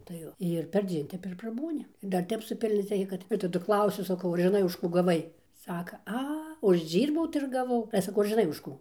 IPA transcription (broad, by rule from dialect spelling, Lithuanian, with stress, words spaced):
tɐɪ ˈjoː ɪr pʲɛrʲˈd͡zʲiɛn ˈtʲɛp ɪr prɐˈbuːnʲɪ ɪr dɐr ˈtʲɛp sʊˈpʲɪlʲnʲoːt͡s ˈrʲɛɪkʲɛ ˈkɐt ɪr tɐˈdʊ ˈklˠɐʊsʲʊ sɐˈkɐʊ ɐr ʒʲɪˈnɐɪ ʊʃ ˈkuː ɡɐˈʋɐɪ ˈsɑːkɐ ˈɐ ʊʒʲˈd͡ʒʲiːrbɐʊ tɐɪ ɪr ɡɐˈʋɐʊ ɐlʲɛ sɐˈkɐʊ ɐr ʒʲɪˈnɐɪ ʊʃ ˈkuː